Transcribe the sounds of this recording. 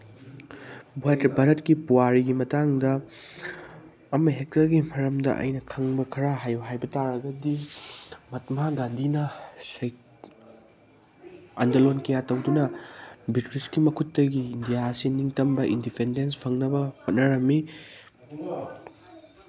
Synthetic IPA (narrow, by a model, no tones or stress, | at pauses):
buatibʱaɾɐtkipuwaɾiɡimɐtaŋdɐ | mɐɦek̚tɐlɡimɐɾɐmdɐ̰ʔɐ̰jnɐkʰɐŋbɐkʰɐɾaɦajbɐɦajbɐtaɾɐɡɐdi | mɐt̚maɡandinɐsɐj | andɐlonkɐjatɐwdunɐbitɾiskimɐkʰutːɐɡiːndijasiniŋtɐmbɐʔindipʰendens̬pʰɐŋnɐbɐhot̚nɐɾɐmːi